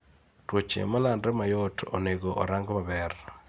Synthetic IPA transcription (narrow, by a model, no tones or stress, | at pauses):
twot͡ʃḛmalandɾɛmajɔtʰo̰neɡoʔɔ̰ɾaŋɡɔmabɛr